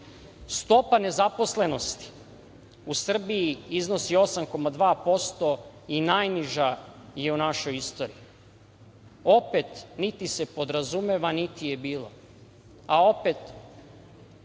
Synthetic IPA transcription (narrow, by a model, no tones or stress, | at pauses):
st̪o̞pane̞zapo̞sle̞no̞st̪i̥ | usr̩biiizno̞sio̞samko̞mad̪ʋaːpo̞st̪o̞ | inajniʒaje̞unaʃo̞jist̪o̞ɾḭi | o̞pe̞t̪nit̪ise̞po̞d̪ɾazume̞ʋanit̪ijebiːlo̞ | ao̞pe̞t̪